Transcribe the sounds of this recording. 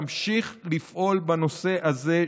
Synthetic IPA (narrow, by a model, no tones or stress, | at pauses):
mʃiχlifʔo̞lbano̞se̞ʔaze̞